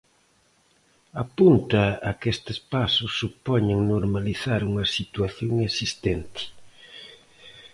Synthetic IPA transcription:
apunt̪ɐːkest̪ɪspasʊsːupɔɲeŋnoɾmaliθaɾuŋɐsit̪waθjoŋesist̪ɛnt̪ɪ̥

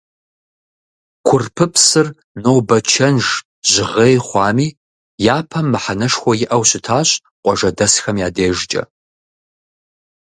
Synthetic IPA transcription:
kʷʰʊrpʰɨpsɨr | nowbɐt͡ʃʰɐnʒ | ʑ̥ɪʁeːjχʷɑːmiː | jaːpʰɐmːɨħanɐʂxʷɔjɪʔɐwɕɪtʰaːɕʼ | qʷʼɔʒɐdɐsxɐmjaːdeːʒt͡ʃʼɐ̰

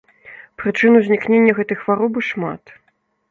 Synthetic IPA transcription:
pɾɨt͡ʂɨnuzʲnʲiknʲenʲːɐɣɛt̪ɨjxvaɾɔbɨʂma̰t̪

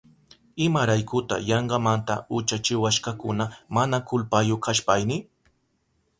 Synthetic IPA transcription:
ɪmaɾajkʊt̪a̰jɑɴɢɑmant̪a̰ʊt͡ʃat͡ʃɪwaʃkakʊnamanakʊlpajokʰaʃpajnɪ

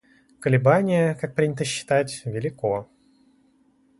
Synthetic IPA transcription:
kəlʲɪbanʲɪjəkak̚pɾʲinʲɪt̪əɕːɪ̥t̪atʲvʲɪlʲɪko

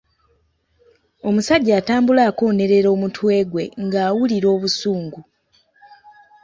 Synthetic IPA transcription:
o̞musaɟːaːtaːmbulaːko̞ːne̞ɾe̞ɾo̞ːmutʰwe̞ːɡwe̞̰ŋɡaːwuliɾo̞ːβusuːŋɡu

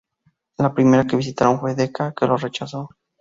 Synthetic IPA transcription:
lapɾime̞ɾake̞βis̬it̪aɾo̞nfweðe̞kake̞lo̞re̞t͡ʃaso̞

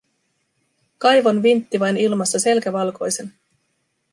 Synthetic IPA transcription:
kɑjʋonʋint̪ːiʋɑjnilmɑst̪ɑse̞lkæʋɑlko̞̰jse̞n

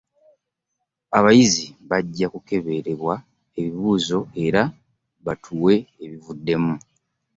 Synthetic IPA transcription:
aβajiziβaɟːakuke̞βe̞ɾe̞βwa | eβiβuːzo̞e̞ɾa | βatʰuwe̞ːβivudːe̞mu

